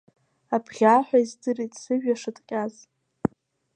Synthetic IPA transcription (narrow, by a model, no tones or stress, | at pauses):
apʰʁʲaːħʷaizdɨritʼsɨʒᶣaʂɨtʼqʲʼaz